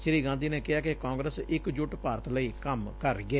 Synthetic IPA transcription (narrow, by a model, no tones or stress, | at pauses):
ʃəɾiːɡãːnd̪iːneːkɪɦaːkekãːŋɡɾəsɪkd͡ʒʊʈpaːɾət̪ləiːkəmkəɾɡɛː